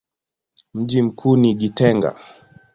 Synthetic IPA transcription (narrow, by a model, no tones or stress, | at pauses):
m̩ʄim̩kʰuːniɡitɛŋɡa̰